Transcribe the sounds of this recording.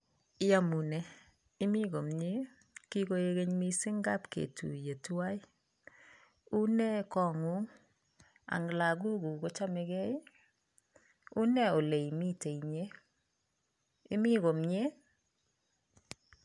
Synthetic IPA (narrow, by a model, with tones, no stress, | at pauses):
ja˦mu˨nɛ˦ | ɪ˦mi˦ɡo˨mɲe˦ | ki˦ko˦e˦ɣe˦ɲmi˦sɪ˦ŋɡa˦pkḛ˨tʰṵ˨je˨twa˦ɪ˦ | u˦nɛ˦kɔ˨ŋu˦ŋ | a̰˨ŋla˨ɡu˦ɡu˨ko˦t͡ʃa˦mɛ˨ɡɛ˦jɪ˦ | u˦nɛ˦o˨le˨i˨mi˦te˨i˨ɲe˦ | ɪ˦mi˦ɡo˨mɲe˦